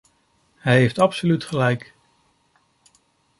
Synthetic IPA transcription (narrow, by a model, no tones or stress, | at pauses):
ɦɛjɦejftɑpsolytχəlɛjk